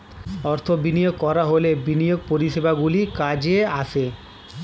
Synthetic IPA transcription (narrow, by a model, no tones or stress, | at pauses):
ɔɾt̪ʰobinijoɡ̚kɔɾaɦolebinijoɡ̚poɾiʃebaɡulikad͡ʑeaʃʰe